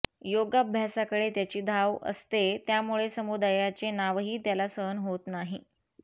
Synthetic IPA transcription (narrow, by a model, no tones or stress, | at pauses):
joɡabʱjasakəɽet̪jat͡ɕiːd̪ʱaʋə̰st̪et̪jamuɭesəmud̪ajat͡senaʋɦiːt̪jalasənɦot̪naɦi